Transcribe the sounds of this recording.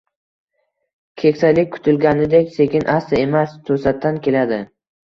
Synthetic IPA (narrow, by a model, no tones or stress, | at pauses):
kʲʰekʲsalɪk̚ʲkʰʊ̥t̪ʰɪlɡʲanɪd̪ekʲse̞kʲʰɪnʔast̪aemast̪ʰɵsat̪ʰːankʲʰe̞lad̪ɪ